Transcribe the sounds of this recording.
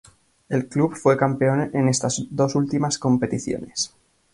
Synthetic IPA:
e̞lklubfwe̞kampe̞o̞nene̞st̪azd̪o̞sult̪imasko̞mpe̞t̪iθjo̰ne̞s

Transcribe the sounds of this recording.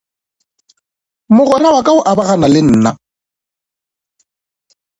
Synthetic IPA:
mʊɣʊɾawakʼaʊʔabaɣanalɪn̩ːna

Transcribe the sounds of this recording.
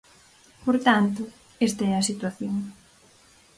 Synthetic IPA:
poɾt̪ant̪ʊ | est̪aɛɐsit̪waθjoŋ

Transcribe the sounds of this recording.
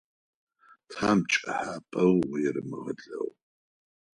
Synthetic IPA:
tʰaːmt͡ʃʼɐħaːpʼɐwwjɛɾɨmɨʁɐɮɐw

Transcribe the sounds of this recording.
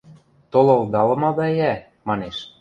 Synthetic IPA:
t̪olŏlˠd̪ɑlɤ̆mɑd̪ɑæ | mɑneʃ

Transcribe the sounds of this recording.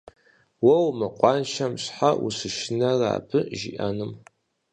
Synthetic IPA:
wɐwmɨqʷɑːnʃɐmɕħawṵsɨʃɪnɐra̰ːbʰɨʒḭʔa̰nɨm

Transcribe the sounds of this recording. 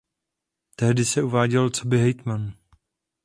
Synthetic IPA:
t̪ɛɦdɪsɛuvaːɟɛlt͡sobɪɦɛjt̪man

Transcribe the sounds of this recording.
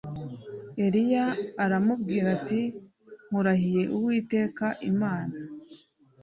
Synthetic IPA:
e̞ɾijaːɾamubɡiːɾati | ŋ̥huɾaɦije̞ʔuwiːte̞ːkaʔimaːna

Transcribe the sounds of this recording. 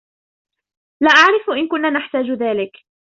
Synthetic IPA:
laːʔaʕɾɪfʔɪnkʊnːaːnaħt̪aːd͡ʒʊðaːlɪk

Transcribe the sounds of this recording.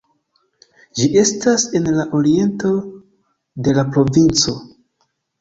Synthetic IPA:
d͡ʒiʔe̞stase̞nlaʔo̞ɾie̞nto̞ | de̞lapɾo̞vint͡so̞

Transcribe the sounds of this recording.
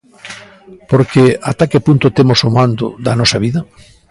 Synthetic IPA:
poɾkeat̪akepunt̪ʊt̪emosomãnd̪ʊ̰ðɐnɔsɐβiðɐ

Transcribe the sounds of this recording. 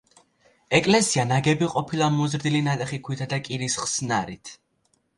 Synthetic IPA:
ɛkʼlɛsianaɡɛbiqʼɔpʰilˠamuzɾd̪ilinat̪ʼɛχikʰwit̪ʰad̪akʼiɾisχsnaɾit̪ʰ

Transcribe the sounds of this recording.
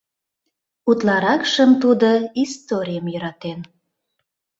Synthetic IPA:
ut̪lɑɾɑkʃəmt̪ud̪oist̪oɾʲijəmjøɾɑt̪en

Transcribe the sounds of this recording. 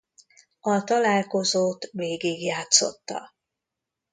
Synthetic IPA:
ɒt̪ɒlaːlko̞zoːt̪veːɡiɡjaːt̪so̞̰t̪ːɒ̰

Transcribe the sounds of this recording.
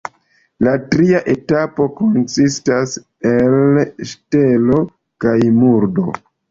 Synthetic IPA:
latɾiaʔe̞tapo̞ko̞nsistas | elʃtelo̞ | kajmuɾdo̞̰

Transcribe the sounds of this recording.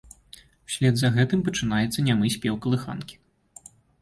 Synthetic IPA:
sʲlʲɛd̪zɐɣɛt̪ɨmpɐt͡ʂɨn̪ajɛt̪sːɐnʲamɨsʲpʲɛwkɐlˠɨxa̰nkʲi̥

